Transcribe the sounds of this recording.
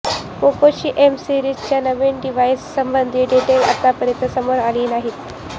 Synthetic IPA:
pokoɕiːʔemsiɾiːd͡ʑt͡ɕjanəʋeɳɖiʋajsːəmbənd̪ʱiːɖiʈela̰t̪apəɾjət̪nəsəmoɾaliːnaɦit̪

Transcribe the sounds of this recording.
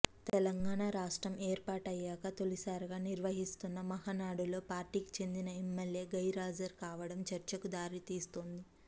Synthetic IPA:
t̪ɛlɐŋɡaːɳaɾaːʂʈɾɐmeːɾpaːʈɐjːaːkɐt̪o̞lisaːɾɡaːniɾʋɐɦist̪unːɐmɐɦaːnaːɽulo̞ːpaːɾʈiːki̥t͡ʃe̞nd̪inɐemːɐlje̞ːɡɐjɾaːd͡ʒɐɾkaːʋɐɽɐmt͡ʃɐɾt͡ʃɐkud̪aːɾit̪iːst̪o̞nd̪i

